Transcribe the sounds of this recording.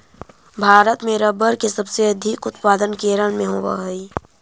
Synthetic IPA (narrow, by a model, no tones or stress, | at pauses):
bʱaːɾət̪meːɾəbəɾkesəbseɐd̪ʱɪkʊt̪̚paːd̪ənkeːɾəɽmẽɦoːʋa̰ɦəi